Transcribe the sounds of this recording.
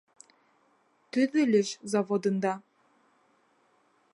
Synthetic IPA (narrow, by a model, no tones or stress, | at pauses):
t̪yðɘ̆lʲɘ̆ʃzɑvod̪ɤ̆nd̪ɑ